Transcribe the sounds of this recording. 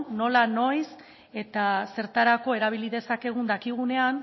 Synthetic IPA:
o̞lano̞js | e̞t̪ase̞ɾt̪aɾako̞e̞ɾaβ̞iliðe̞sake̞ɣ̞und̪akiɣ̞une̞an

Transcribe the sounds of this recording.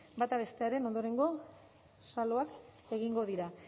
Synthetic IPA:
bat̪aβe̞st̪e̞aɾe̞no̞nd̪o̞ɾe̞ŋɡo̞ | salo̞ake̞ɣ̞iŋɡo̞ðiɾa

